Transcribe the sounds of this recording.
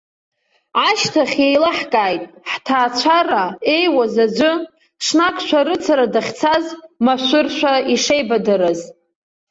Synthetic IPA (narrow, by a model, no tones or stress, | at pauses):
ʕaʃtʰaχʲe̞jlaħkʼaːjtʼħtʰaːt͡ɕʷʰarae̞jwazad͡ʒʷɨ | ʂnakʷʼʰʃʷʰᶣaɾɨt͡sʰaɾadaχʲt͡sʰazmaʃʷʊrʃʷᶣaiʂejbadaɾɨz